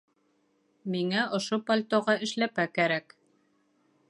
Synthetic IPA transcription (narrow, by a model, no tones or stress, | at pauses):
miŋæʔŏʃopalʲt̪oʁɑɘ̆ʃlæpækæɾæk